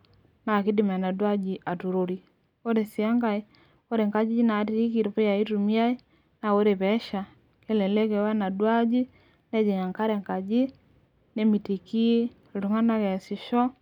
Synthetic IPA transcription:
na˨ki˦di˨ma˨a˨na˨dwa˦d͡ʒi˨ʔa˨tu˨ɾu˨ɾi˨ | ɔ˦ɾɛ˨si˨a˦ŋɡa˦i˦ | ɔ˦ɾɛ˨ŋka˦d͡ʒi˦i˦naː˨tiɾi˦ki˨ɾu˨pɛ˦ja˨i˦tu˨mi˦a˦i˦ | na˨wɔ˦ɾɛ˨pɛ˦ʃa˨ | kɛ˦lɛ˨lɛ˦kɛ˨wa˦na˨dwa˦d͡ʒi˦ | nɛ˦d͡ʒɛ˨ɲa˨ŋka˦ɾɛ˨ŋka˨d͡ʒi˦ | nɛ˦mi˨ti˨ki˦˨ | lu˨ŋa˦na˦kɛ˨si˨ʃɔ˦

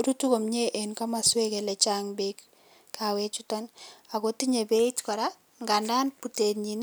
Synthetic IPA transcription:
ɾu˦tu˦ko˨mɲe˦ʔe˨nka˦ma˨swe˦kelɛt͡ʃaŋbeik | kːʰawet͡ʃu˦tɔna˨ɡotiɲe˨be˦itkɔ˨ɾa | ŋɡanda˦npu˨te˨tɲi˨n

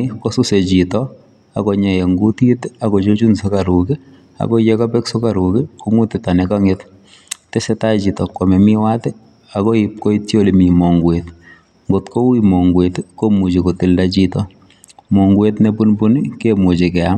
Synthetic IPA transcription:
iko˦su˦se˨t͡ʃi˨tɔ | a̰˨kɔ˨ɲa˨je˨ŋɡu˦ti˦ta˨kɔ˨t͡ʃo˦t͡ʃu˦nsoka˨ɾu˨ke˦ | a̰kɔ˦je˦ka˦pɛ˦kso˦ka˨ɾuke˦ku˦ŋu˦tɛ˨ta˨nɛka˦ŋet | te˦sɛ˦ta˦t͡ʃitɔ˨kwa˨mɛ˨mi˦wa˦tɛ˦ | a˨kɔ˦ip̚ko˦i˦tjo˦limi˨mɔ˨ŋɡwet | ŋɡotko˦wimɔ˨ŋɡwetkomu˨t͡ʃeko˨ti˨ldat͡ʃitɔ | mɔ˨ŋɡwe˦tnepunbu˦nikemu˨t͡ʃe˨kɛ˨a˦m

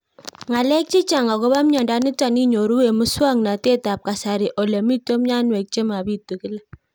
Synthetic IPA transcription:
ŋa˨lɛ˦k̚t͡ʃi˦t͡ʃa˨ŋa˨ko˦ba˦mɲɔ˨nda˦ni˦ta˨ni˦ɲo˨ɾu˦we˨mʊ˦swa˦ŋna˨te˦ta˨p̚ka˨sa˨ɾi˨ʔɔ˨lɛ˨mi˦to˦mɲa˦nwɛ˨k̚t͡ʃe˦ma˨bi˦tu˨kɪ˦lɛ˦

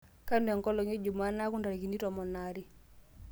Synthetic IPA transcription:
ka˦ndɛ˨ŋkɔ˦lɔ˨ŋe˦d͡ʒu˨ma˦na˦ku˦nda˨ɾi˨ki˨ni˦tɔ˨mɔ˨na˨ɾi˦

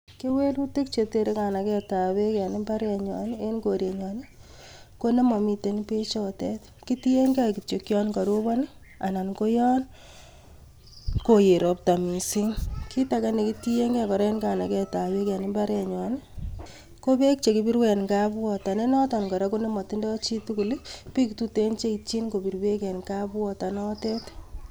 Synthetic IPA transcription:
ke˦we˦lu˦te˦kt͡ʃe˨te˨ɾe˦ka˨na˨kɛ˦ta˨we˦kɛ˨ni˦mba˦ɾɛ˨ɲɔ̰˨n˦e˦nko˨ɾe˨ɲɔ˨ne˦ | ko˦ne˦mɔ˨mi˨te˦npe˦t͡ʃɔ˦tɛ˦t | ki˦ti˦je˦ŋɡa˦ki˨to˨kjɔ˦nkɔ˨ɾo˦bɔ˦n˦ | a˨na˨nko˦jɔ˦n | ko˨je˨ɾo˨p̚ta˨mi˨si˦ŋki˦ta˨ka˦ne˨ki˦ti˦je˦ŋɡɛ˦˨kɔ˨ɾɛ˦nka˨na˨kɛ˦ta˨we˦ka˨ni˦mba˦ɾɛ˨ɲɔ˨n | ko˦be˦k̚t͡ʃe˨ki˨bi˦ɾwɛ˨nka˦bwɔ˨ta˨ne˦nɔ˦tɔ˨nkɔ˨ɾa˦ko˦ne˦mɔ˨ti˦ndɔ˦t͡ʃi˦tu˦ku˨li˦pi˦ktu˦te˦nt͡ʃe˦i˨t͡ʃi˦nko˨pi˨ɾwe˦kɛ˨nka˦bwɔ˦ta˨nɔ˦tɛ˦t

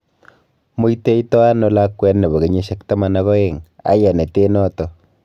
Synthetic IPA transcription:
mo˦jte˦itɔ˦a˦no˦la˦kːwɛ˦nnːe˨bo˨ɡe˨ɲe˦ʃe˦kta˦ma˨na˦ɣɔ˦e˦ŋa̰˨˦ja˨ne˨te˦nɔ˦tɔ˨

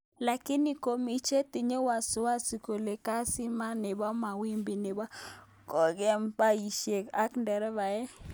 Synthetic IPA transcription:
la˨kɪ˦ni˨ko˨mi˨t͡ʃe˦t̪i˨ɲo˦wa˨sʊ˨˦wa˦si˨ko˨le˨ka˦sɪ˦ma˦nɪ˨ba˦ma˨wi˦mbi˨nɪ˨ba˦ | kɔ˨ɡɛ˦mpa˦i˨ʃe˨ka˦kndɛ˨ɾɛ˦βa˨ɛ˦

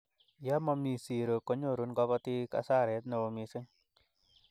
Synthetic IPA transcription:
ja˦mɔ˧mi˨si˨ɾo˨ko˦ɲo˦˨ɾu˦nɡɔ˦pɔ˦ti˦ka̰˨sa˦˨ɾɛ˨˦tne˨o˨mi˧sɪ˦ŋ

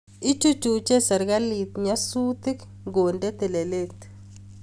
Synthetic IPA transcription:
ɪ˦t͡ʃu˦t͡ʃu˨t͡ʃe˦sɛ˨ɾɡa˦li˨t̪ɲa˦su˦t̪ɪ˦k | ɡo˨nde˦t̪ɛ˨le˨le˦kt

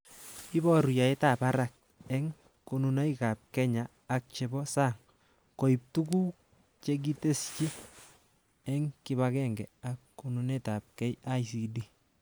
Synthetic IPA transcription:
i˦bɔ˦ɾu˨ja˨e˦tapa˦ɾak̚ | ɛ˦ŋ | kununa˦jka˨p̚kɛ˦ɲaː˨k̚t͡ʃe˨bɔ˦saː˦ŋ | ko˨ip̚tu˦ɡu˦ | t͡ʃe˦k̬i˦te˦st͡ʃi˦ | ɛ˦ŋkibakɛ˦ŋɡɛ˨akːu˨nuneta˨p̚kɛ˦ja˦js̬i˨di˦

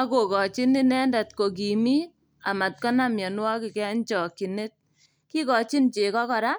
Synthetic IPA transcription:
a˦ko˨kɔ˨t͡ʃi˦ni˦nɛ˦nda˨t̚ko˨k̬i˨mi˦ | a˨ma˨t̚kɔ˦na˨mjɔ˨nwɔ˦kɪ˨kɛ˦nt͡ʃɔ˨ki˨ne˦t̚ | ki˦kɔ˨t͡ʃi˦nt͡ʃe˨kɔ˦kɔ˨ɾa˦

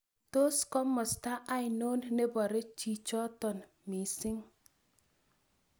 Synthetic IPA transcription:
to˦skɔ˦mːɔ˨sta˦ʔa˦ɪ˨no˦nne˦bɔ˨ɾe˦t͡ʃi˦˨t͡ʃɔ˦tɔ˨n | mi˨sɪ˦ŋ

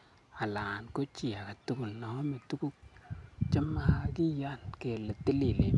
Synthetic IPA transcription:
a˨la˨nko˦t͡ʃi˨a˨ka˨tu˦ku˨lnɔ˨˦me˨tu˦ku˦k̚t͡ʃa˦ma˦ha˨ki˦ja˦nke˨le˨ti˦li˨le˨

